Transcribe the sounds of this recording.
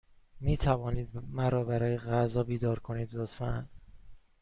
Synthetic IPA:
miːt̪ʰævɒːniːd̪̚mæɾɒːbæɾɒːjeɣæzɒːbiːd̪ɒːɾkʰoniːd̪lot̪fæn

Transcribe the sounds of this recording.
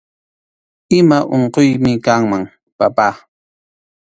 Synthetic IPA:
ɪmaʔoɴqojmɪkaŋmaŋ | papaː

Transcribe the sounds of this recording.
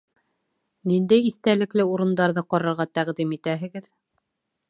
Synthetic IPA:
nind̪æjiθt̪ælɘ̆klɘuɾɤ̆nd̪ɑɾðɤqɑɾɑɾʁɑt̪æʁd̪imit̪æɦɘ̆ɡɘð

